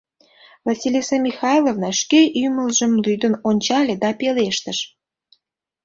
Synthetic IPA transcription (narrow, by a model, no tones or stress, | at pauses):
vɑsʲilʲesɑmʲixɑjlˠovnɑʃkeʔymə̆lʒə̆mlyd̪ənonʲt͡ɕɑlʲed̪ɑpeleʃt̪əʃ